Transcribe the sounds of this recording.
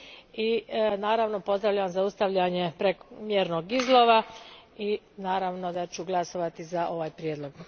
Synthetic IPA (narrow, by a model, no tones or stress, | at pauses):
inaːɾaʋno̞po̞zd̪ɾaʋʎaʋamzaust̪aʋʎaɲe̞pɾekmjeːɾno̞ɡizlˠo̞ʋai | naːɾaʋno̞d̪at͡ɕuɡlˠaso̞ʋat̪izaʔo̞ʋaːjpɾjeːd̪lo̞ɡ̥